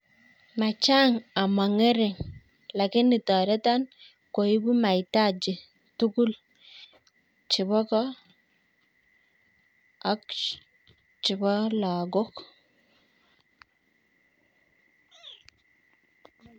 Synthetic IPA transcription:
ma˨t͡ʃa˦ŋa˨ma˨ŋɛ˦ɾɪ˨ŋ | la˨kɪ˦nɪ˨tɔ˨ɾɛ˦ta˦n | ko˨i˦bu˦ma˨jta˦d͡ʒɪ˨ | tu˦ku˦l | t͡ʃɪ˨bɔ˦kɔ˦ | a˨k | t͡ʃɪ˨bɔ˦la˨ɡo˦k

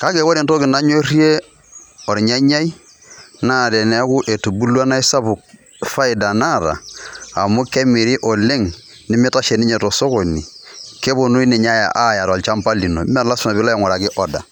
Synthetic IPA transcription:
ka˨˦ke˨˦wo˦ɾe˨nto˦kɪ˨na˦ɲo˦ri˦e˦ | ɔ˨ɾɲa˦ɲa˦i˦ | na˦˨ɾɛ˨nɛ˦kʊ˦ʔe˨tu˨bu˦la˦na˦i˦sa˦bʊ˨k̚ | fa˦ɪ˨da˨na˦˨ɾa̰ː˨mʊ˦kɛ˦mi˨ɾi˦ʔɔ˨le˦ŋ | nɪ˦mɛ˦ta˦ʃe˨nɪ˦ɲɛ˨tɔ˨so˦ko˨ni˨ke˦bo˨nu˦i˦nɪ˨ɲa˦ja̰˨ʔa˦˨ja˨ɾɔ˨t͡ʃa˦mpa˦li˨no̰˨˦m˦a˦˨la˦sʊ˦na˨βɪ˦la˦ja˨ŋɔ˨ɾa˨kɪ˦ʔɔ˨da̰˨

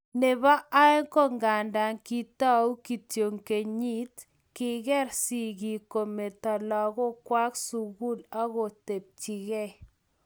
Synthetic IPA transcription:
ne˨βa˦ʔa˦ɛ˦ŋkɔ˦˨ŋɡa˨nda˨ŋki˦ta˦u˦ki˨tjo˨ŋke˨ɲi˦t | kɪ˦ɣɛ˦ɾsi˨ɣi˨ko˨me˨ta˨lɔ˨ɣɔ˦kwa˦ksu˨ɣu˦la˦ɣo˨te˨p̚t͡ʃi˨ɣe˦

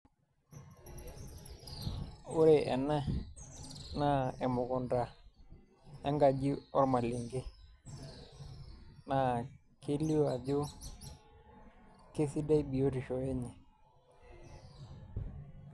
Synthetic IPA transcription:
ʊ˦ɾe˨ʔɛ˨na˦ | na˦˨ɛ˨mʊ˨kɔ˨nda˨ | ɛ˦ŋɡa˨d͡ʒi˦ɔ˦ɾma˨lɪ˨ŋɡe˦ | na˨ | ke˦li˦wa˨d͡ʒʊ˦ | ke˦si˦da˦i˦bi˨o˦ti˨ʃɔ˨ɛ˦ɲɛ˨

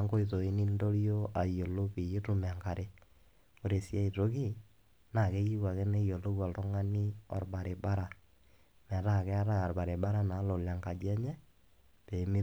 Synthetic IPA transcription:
a˦ŋko˦i˨to˨i˦ni˦ndo˦ɾjo˦a˨jo˨lo˦pi˨ji˦tu˦mɛ˨a˨ŋka˨ɾʔe˦ | o˨ɾe˨sja˦i˨to˦ki˦˨ | na˨ke˦ji˦wa˨ke˦ne˦jo˨lo˦wa˨ltɔ˦ŋa˦ni˦ɔ̰˨ɾba˨ɾe˨ba˦ɾa˨ | mɛ˨˦ɾa˦˨kɛ˦a˦ɾa˦a˨ɾba˨ɾe˨ba˦ɾa˦na˨˦lo˨la˨ŋka˨d͡ʒɛ˦ɲɛ˦ | pe˨mi˦

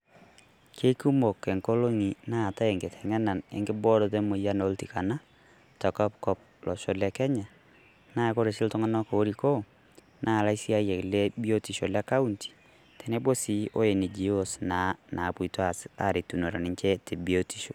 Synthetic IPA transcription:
ke˦ku˦mo˨ke˨ŋko˦lo˦ŋi˨na˦˨ta˦e˨ŋɡɪ˨tʰɛ̥˨ŋɛ˦na˨nḛ˨ŋɡɪ˦bɔ˦ɾɔ˨te˦mʊ˨ja˦no˦lti˨ka˨na˦ | tɔ˨kɔ˦pkɔ˦p̚lʔɔ̰˨ʃo˦lɛ˨kɛ˦ɲa˨ | na˦˨ko˦ɾe˨sɪ˦ltʊ˦ŋa˦nɔ˦ko˨o˦ɾi˨ko˦ | nʔa˦˨la˦i˦si˦a˦jɛ˨klɛ˦bi˦o˦ti˨ʃo˨lɛ˦ka˦u˦nti̥˨ | tʰɛ˨ne˦bo˦si˦o˦e˨ni˨d͡ʒi˨˦o˦sna˨na˨pu˨to˦a˨sa˨ɾe˨tu˨no˨ɾa˨nɪ˨˦ɲt͡ʃɛ˦te˨bi˨o˦ti˨ʃo̥˨

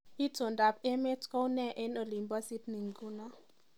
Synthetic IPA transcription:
i˦to˨nda˨pe˦me˦tko˦wnɛ˦˨ʔe˦no˨li˨mba˦si˦tni˨ŋ˨ɡu˦na˦

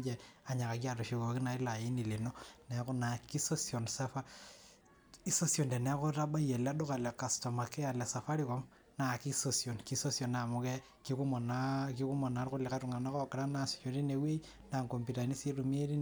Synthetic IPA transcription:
d͡ʒɛ˨a˨ɲa˨ka˨ka˨to˨ʃi˨ko˨ki˦na˨i˦la˨ji˦ni˨li˨no˦nɛ˨ko˦na˨ki˦so˦sjo˨nsa˦fa˦ | i˦so˦sjo˨ndɛ˨nɛ˦ko˦ɾa˦ba˦je˨la˦do˦ka˨lɛ˨ka˨sto˨ma˨ke˦a˨lɛ˨sa˨fa˦ɾi˦kɔ˦m | na˨ki˦sosjo˨nki˦so˦sjo˨na˨mu˦kɛ˦ | ki˦ku˦mɔ˨naki˦ku˦mo˨na˨˦ɾʊ˦le˨ka˦tu˨ŋa˨na˦kɔ˦kɾa˦na˨si̥˨t͡ʃoɾi˦ne˨we˦i | na˨ŋko˨mpi˨ta˨ni˦si˦ru˨m˦e˦ɾi˦

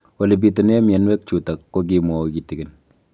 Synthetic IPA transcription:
wo˨le˨p̬i˨to˨ne˦mje˨nwɛ˦k̚t͡ʃu˨ta˨kːo˦k̬i˦mwɔ˨ki˨ti˨ɡɪ˨n

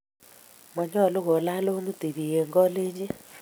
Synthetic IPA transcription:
mɔ˨ɲɔ˦˨lo˦ɣɔ˨la˦lo˦mu˦ti˨ɾi˨e˨ŋɡɔ˦le˦ɲd͡ʒi˦

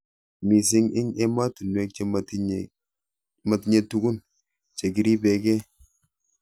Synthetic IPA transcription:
mi˨s̬i˦ŋɪ˦ɲe˦ma˦tu˨nwe˨˦k̚t͡ʃe˦ | ma˨ti˨ɲe˨tu˨ɡu˦n | t͡ʃe˨ɡi˨˦ɾi˦be˨ke˦

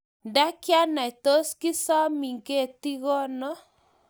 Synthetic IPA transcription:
nda˦kja˦na˨i˨t̪o˦ski˦sa˦mi˨ŋɡe˦˨t̪i˦ɣɔ˦nɔ˦

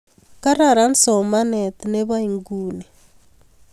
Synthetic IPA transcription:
ka˦ɾa˨ɾa˦n˦so˨ma˦ne˨t̪ine˦βa˦i˨ŋɡu˨ne˨

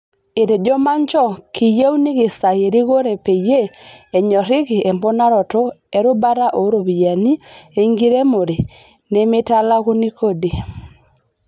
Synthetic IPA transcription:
e˨ɾe˨d͡ʒɔ˦ma˦ɲt͡ʃɔ˦ki˨je˦u˦ni˦ɣɪ˨sa˨je˨ɾi˦ɣo˦ɾe˨pe˨je˦e˨ɲɔ˨ɾɪ˦ɣɪ˨ʔe˨mbɔ˦na˦ɾɔ˨tɔ˦e˦ɾo˦ba˦ɾa˦ʔo˨˦ɾo˨βi˨ja˨ni˦e˨˦ŋɡi˦ɾe˦mo˨ɾe˨ | ne˦me˦ta˦la˦ɣu˦ni˦kʰo˦di˨

